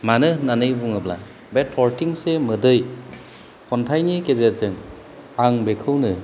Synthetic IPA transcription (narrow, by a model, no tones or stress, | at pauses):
manɯnanɯjbuŋɯbla̰ | betʰːɔɾtiŋsemɯdɯj | hʰɔntʰajnikezet̚zɯŋ | aŋbekʰɯwnɯ